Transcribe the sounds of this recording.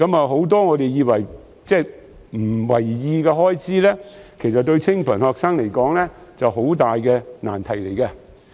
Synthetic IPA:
kɐ˨˥mɐː˨ɦo˨˥wt̪ɔː˥ŋɔː˨˧t̪e˨jiː˨˧wɐ˨˩j | t͡sɛː˥˩ | m̩˨˩wɐ˨˩jjiː˧kɛː˧ɦɔː˥jt͡sʰiː˨˥lɛː˥kʰe˨˩jsɐ˨t̚t̪ɵ˧ɥt͡sʰɪ˥ŋpʰɐ˨˩nhɔː˧k̚saː˥ŋle˨˩jkɔː˨˥ŋlɛː˥t͡sɐ˨who˨˥wt̪aː˨jkɛː˧na̰ː˨˩nt̪ʰɐ˨˩jle˨˩jkɐ˧

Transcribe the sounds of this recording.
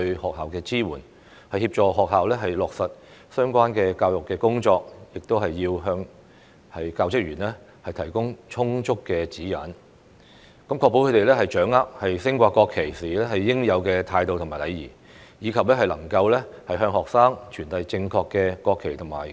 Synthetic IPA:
tɵ˧hɔː˨k̚haː˨wkɛː˧t͡siː˥wuː˨˩n | hɐ˨jhiː˧p̚t͡ʃɔː˨ɦɔː˨k̚ɦaː˨wlɛː˥ɦɐ˨jlɔː˨k̚sɐ˨t̚ | sœː˥ŋkʷaː˥nkɛː˧kaː˧wjʊ˨kːɛː˧kʊ˥ŋt͡ʃɔː˧k̚jɪ˨k̚t̪o˥wɦɐ˨jːiː˧wɦœː˧ŋ | hɐ˨jkaː˧wt͡sɪ˥k̚jyː˨˩nlɛ˥ | hɐ˨jt̪ʰɐ˨˩jkʊ˥ŋt͡ʃʰʊ˥ŋt͡ʃʰʊ˥kːɛː˧t͡siː˨˥jɐ˨˥n | kɐ˨˥mkʰɔː˧kpːo˧˥kʰte˨jlɛː˥hɐ˨jt͡ʃœː˨˥ŋaː˥p̚hɐ˨jsɪ˥ŋkʷaː˧kːɔː˧kʰe˨˩jsiː˨˩lɛː˥hɐ˨jːɪ˥ŋjɐ˨˧wkɛː˧t̪ʰaː˧jt̪o˨˧wt̪ʰʊ˨˩ŋmaː˨˩lɐ˨˧jjḭː˨˩ | jiː˨˧kʰɐ˨p̚lɛː˥hɐ˨jlɐ˨˩ŋkɐ˧wlɛː˥hɐ˨jɦœː˧ŋhɔː˨k̚saː˥ŋt͡ʃʰyː˨˩nt̪ɐ˨˧jt͡sɪ˧ŋkʰɔː˧kːɛː˧kɔː˧kʰːe˨˩jt̪ʰʊ˨˩ma̰ː˨˩j

